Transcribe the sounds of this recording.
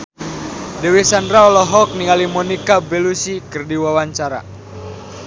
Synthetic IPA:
dɛwisandɾaɔlɔɦɔk̚niŋalimɔnikabɛlusikɨrdiwawaɲt͡ʃaɾa̰

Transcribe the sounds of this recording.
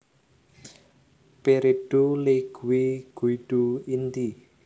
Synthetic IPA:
peɾeɖ̥uleɡ̥uwiɡ̥uiɖ̥uint̪i

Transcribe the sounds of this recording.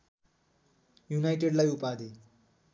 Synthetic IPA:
junajʈeɽlajupad̪e

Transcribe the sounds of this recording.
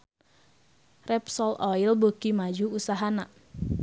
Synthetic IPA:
rɛpsɔlɔilbokimad͡ʒuusaɦana

